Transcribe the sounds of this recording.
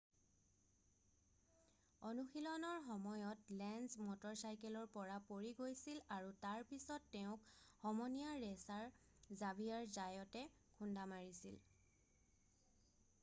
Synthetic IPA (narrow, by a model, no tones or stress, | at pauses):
ɔnuxilɔnɔɹxɔmɔjɔtlɛnzmɔtɔɹsajkɛlɔɹpɔɹapoɹiɡojsilaɹutaɹpisɔtːɛʊ̃khɔmɔnijaɹɛsaɹ | zabʱijaɹzajɔtɛ | kʰundamaɹisḭl